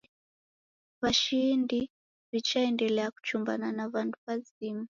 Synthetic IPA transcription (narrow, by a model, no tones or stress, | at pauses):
βaʃindi | βit͡ʃaendɛleaku̥t͡ʃumba̰nanaʋantʰu̥paziːmu